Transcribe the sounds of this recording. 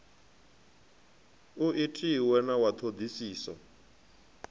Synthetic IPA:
uʔitʼiwɛnawat̪ʰod̪isiːsɔ̰

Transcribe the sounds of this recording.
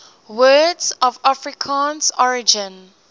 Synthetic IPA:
wɜːdzɔvafɹikʰãːnsɔɹɪd͡ʒə̃n

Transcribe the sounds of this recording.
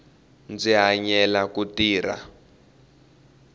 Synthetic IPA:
nd͡ziɦaɲɛlakutiːɾa̰

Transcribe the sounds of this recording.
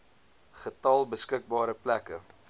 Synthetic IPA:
χətɐlˠbəskək̚bɑːɾəplækə

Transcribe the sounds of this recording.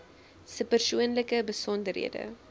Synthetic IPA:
səpərsuənləkəbəsɔndərɦḭədə̰

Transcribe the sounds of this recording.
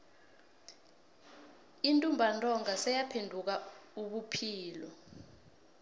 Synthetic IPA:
intʼumbʱantʼɔŋasɛjapʰendʱuk̬auɓupʰiːlɔ

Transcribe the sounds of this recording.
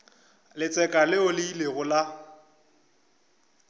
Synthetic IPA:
lɪt͡sʼɛkʼalɪʊlɪileɣʊla

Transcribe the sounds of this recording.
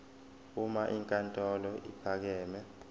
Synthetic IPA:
umaʔiŋkʼantʼɔlɔipʰak̬ɛːmɛ

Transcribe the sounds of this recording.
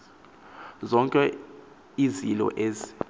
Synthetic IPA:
zɔŋkʼɛ | izilɔ̰ʔeːzi̥

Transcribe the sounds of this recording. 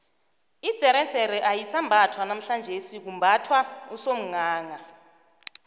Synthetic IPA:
id̥z̥ʱɛɾɛ̥t͡sɛɾɛʔajisambʱatʰwanam̩ɬand͡ʒʱesik̬umbʱatʰwausom̩ŋaːŋa

